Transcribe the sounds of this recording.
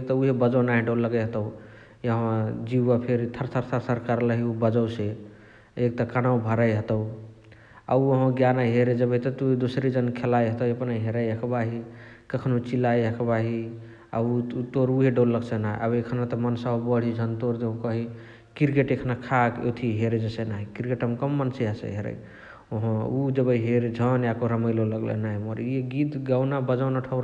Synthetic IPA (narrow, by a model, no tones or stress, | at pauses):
ek̚t̪ɔuɦebəd͡ʒəwnaɦiɖolːəɡəjɦət̪əʊ | ɦəd͡ʒiːapʰeɾt̪ʰəɾsʰəɾsʰəɾsəɾkaɾləɦiubəd͡ʒəwse | ek̚t̪ɔkanawbʱəɾajɦət̪əw | a̰uəɦɡjanajɦeɾed͡ʒəbəit̪ɔt̪ud̪osɾed͡ʒənkʰelajɦət̪əəpnajɦeɾəjɦəkbaɦi | kəkʰnut͡ʃilajɦəkʰbaɦi | a̰ut̪oɾuɦeɖoɾləksənaḭʔa̰bekʰnat̪ɔmənsaɦobəɽ̤id͡ʒʱənt̪oɾd̪eũkəɦi | kiɾkeʈekʰnakʰako̰t̪ʰiɦeɾed͡ʒesenaɦikiɾkeʈɦəmkəmːənseɦasḛɦeɾə̰j | oɦə̃ud͡ʒəbəiɦeɾed͡ʒʱənjakoɾəməjloləɡlḛnaɦjmoɾeɡit̪ɡawnabəd͡ʒanaʈʰəɾa